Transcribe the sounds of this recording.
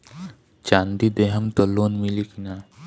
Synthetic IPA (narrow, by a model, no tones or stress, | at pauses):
t͡ʃaːnd̪id̪eɦəmt̪ɔloːnmilikina